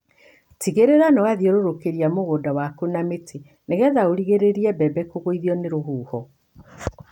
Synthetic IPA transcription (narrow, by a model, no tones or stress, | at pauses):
tiɣeɾeɾanɔwaðiɔɾoɾokeɾiamoɣoːdawakonametʰe | neɣɛðaoɾiɣeɾeɾiɛbɛbɛkoɣoiðiɔneɾoɦuːhɔ